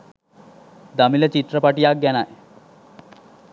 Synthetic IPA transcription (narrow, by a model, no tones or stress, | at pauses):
d̪amilat͡ɕit̪ɾəpaʈijak̚ɡanaj